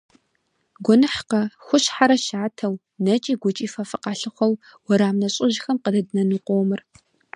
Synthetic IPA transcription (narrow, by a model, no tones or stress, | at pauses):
ɡʷɔnɨħqɐxʷʊɕħaɾɐʃaːtʰɐw | nɐt͡ʃʼiːɡʷʊt͡ʃʼiːfɐfɨqɑːɬɨχʷɔw | wɔɾaːmnɐɕʼɪʒxɐmqədɐdɨnɐnɨqʷowmɨr